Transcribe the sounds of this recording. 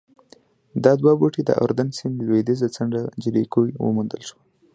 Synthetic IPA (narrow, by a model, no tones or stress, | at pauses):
d̪ɑd̪waboʈid̪ə̰ʔo̰ɾd̪ansɪnlwed̪izat͡saɳɖad͡ʒiɾikujwə̰mund̪əlʃwa